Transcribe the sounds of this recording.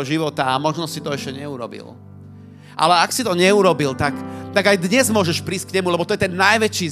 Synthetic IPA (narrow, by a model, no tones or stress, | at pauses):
ɔʒiʋɔt̪aːmɔʒnɔsit̪ɔɛʃcɛɲɛuɾɔ̰bḭl | ʔa̰lɛaksit̪ɔɲɛuɾɔbilt̪akt̪aɡajd̪ɲɛzmʊɔʒɛʃpɾiːsckɲɛmulɛbɔt̪ɔjɛt̪ɛnːajʋɛt͡ʃiː